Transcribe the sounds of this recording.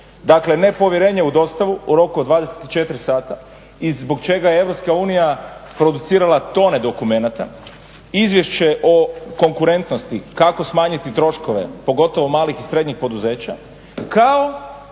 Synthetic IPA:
d̪akle̞ne̞po̞ʋjeɾe̞ːɲeud̪o̞st̪aʋuuɾo̞kuod̪ʋaːd̪eset̪i̥t͡ʃe̞t̪ɾisaːt̪a | izbo̞kt͡ʃe̞ɡajeeʋɾo̞pskauːnijapɾo̞d̪ut̪siːɾalˠat̪o̞ned̪o̞kume̞nat̪a̰ | izʋje̞ʃt͡ɕe̞ʔoko̞ŋkuɾe̞nt̪nost̪ikako̞smaːɲit̪it̪ɾo̞ʃko̞ʋe̞̰po̞ɡo̞t̪o̞ʋo̞maːlixisɾe̞d̪ɲixpo̞d̪uze̞ːt͡ɕa̰ | kao

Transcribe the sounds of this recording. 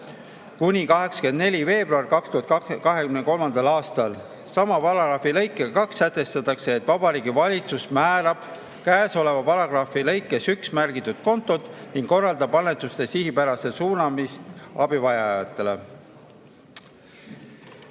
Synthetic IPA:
kunʲikɑɦe̞ksɑ̥ke̞nd̪ne̞lʲive̞ːb̥ruɑrkɑkst̪uhɑt̪kɑɦe̞kymneko̞lmɑnd̪̥ɑlɑːst̪ɑl | sɑmɑpɑɾɑɡɾɑfilɤjkːˑeɑkɑksːæt̪ːˑe̞st̪ɑt̪ːˑɑkse̞ːt̪ːˑvɑb̥ɑɾiːɡivɑlʲit̪susmæːɾɑb̥ | kæeso̞le̞vɑpɑɾɑɡ̥rɑːfilɤjkːˑe̞syksmærɡ̥it̪ːˑud̪̥̚ko̞nt̪ːˑo̞d̪niŋɡ̥kːo̞rːɑld̪ɑbɑnːet̪ːˑust̪e̞sihipæɾɑse̞suːnɑmist̪ɑbivɑjɑjɑ̰t̪ˑːe̞le̞̰

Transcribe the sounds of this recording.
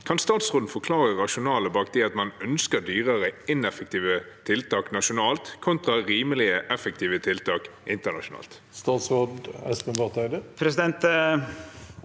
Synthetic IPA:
kʰɑnst̪ɑːt̪sʁoːd̪n̩fɔkʰlɑːʁəʁɑʃʊnɑːləbɑːk̚d̪ɛɑt̪mɑnœnskəd̪yːʁəʁəɪnɛfək̚t̪ʰiːʋət̪ʰɪlt̪ʰɑːknɑʃʊnɑːlt̪kʰɔnt̪ʁɑʁiːməlɪəʔɛfək̚t̪ʰiːʋət̪ʰɪlt̪ʰɑːkʔɪnt̪ənɑ̰ʃʊnɑ̰ːlt̪ | st̪ɑːt̪sʁod̪ɛ̰spənʋɑʁt̪ʰæɪd̪əpʰɾɛsɪd̪ɛnt̪

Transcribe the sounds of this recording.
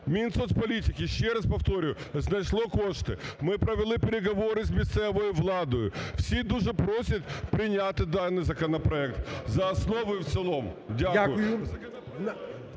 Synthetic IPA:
mʲint̪sɔspɐlʲitʲɪkʲɪʃːɛɾɐspɐft̪ɔɾʲɪjʊznɐjʂlˠɔkoʂt̪ɪmɪpɾɐʋʲɪlˠɪpʲeɾʲɪɡɐʋoɾɪzʲmʲɪst̪sɛʋɔjʊʋlˠɑd̪ɔjʊfsʲid̪uʒɛpɾosʲɐt̪ʲpɾʲɪnʲat̪ɪd̪anːɨjzɐkɐnɐpɾɐɛk̚t̪zɐːsnoʋʊwt̪sɨlˠomdʲaʊjɐ

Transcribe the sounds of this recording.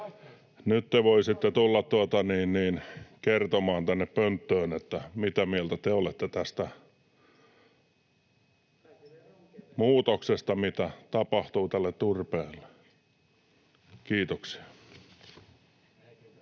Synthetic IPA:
nyt̪t̪eʋoisit̪ːet̪ulːɑt̪t̪uot̪ɑniːnniːnkert̪omɑːnt̪ænːeppønt̪ːøːnet̪ːæmit̪æmiælt̪æt̪eolet̪ːet̪æst̪æ | muːt̪oksest̪ɑmit̪æt̪ɑpɑht̪uːt̪ælːet̪t̪urpeːlːe̥ | kiːt̪oksi̥ɑ

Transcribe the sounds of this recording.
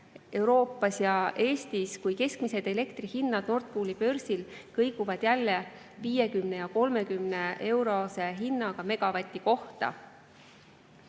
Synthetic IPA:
e̞wɾo̞ːpːˑɑsjɑʔe̞ːst̪iskujke̞skmise̞d̪e̞le̞kt̪rihinːɑd̪̥no̞rt̪̚pulipø̞rsilkɤjɡuvɑd̪̥jælːe̞ | viːje̞kymne̞jɑko̞lme̞kymne̞ʔe̞wɾo̞se̞ɦinːɑɡ̥ɑme̞ɡ̥ɑvɑt̪ʲːˑiko̞ht̪ɑ̰

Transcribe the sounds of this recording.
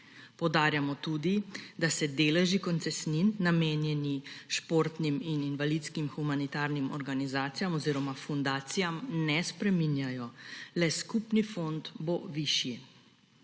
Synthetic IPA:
pɔwd̪aːɾjamɔt̪uːd̪id̪asɛd̪eːlɛʒikɔnt̪sɛsninːameːnjɛniʃpoɾt̪nimininʋalit̪skimxumanit̪aːɾnimɔɾɡanizaːt̪ijamɔziːɾɔmafund̪aːt̪sijamnɛspɾɛminjajɔlɛskupnifont̪boʋiʃji

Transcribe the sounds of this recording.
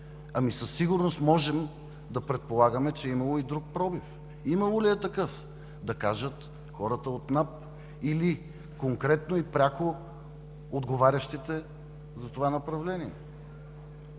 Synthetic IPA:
ɐmisəsːiɡʊɾnost̪mɔʒɛm | d̪ɐpɾɛt̪̚polˠaɡəmɛt͡ʃɛimɐlˠoid̪ɾuk̚pɾɔbif | imɐlˠoliɛt̪ɐkɤf | d̪ɐkaʒət̪ | xɔɾət̪əot̪nap̚ | ili | koŋkɾɛt̪noipɾʲako | od̪ɡovaɾʲəʃt̪it̪ɛ | zɐt̪ovanɐpɾɐvlɛniɛ

